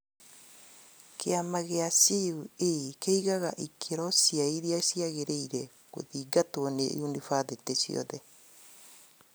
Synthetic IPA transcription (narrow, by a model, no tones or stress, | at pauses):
keamaɣeasiuekeiɣaɣaʔikʰeɾɔsiaiɾiasiaɣeɾeiɾe | ɣo̰ðiːɡatoɔnḛʔunifaðetesḭɔ̰ðɛ